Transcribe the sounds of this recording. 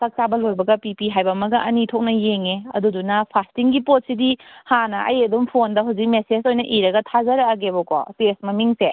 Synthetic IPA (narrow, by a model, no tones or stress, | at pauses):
sɐk̚t͡ʃabɐlojbɐɡɐpipiɦajbɐmɐɡɐʔɐnitʰok̚nɐjeŋeɐ̰dudunɐpʰastiŋɡipot̚sidihanɐʔɐ̰jɐdumpʰondɐɦuwzik̚mesezojnɐʔiɾɐɡɐtʰazɐɾɐːɡebɔkɔ̰tesmɐmiŋse